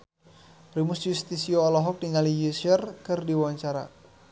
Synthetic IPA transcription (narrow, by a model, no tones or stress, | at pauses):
pɾimʊsjust̪isiɔɔlɔɦɔk̚diŋalijusərkɨrdiwaaɲt͡ʃaɾa̰